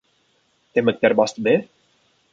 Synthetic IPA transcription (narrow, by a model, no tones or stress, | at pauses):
t̪emək̚t̪ɛɾbɑst̪be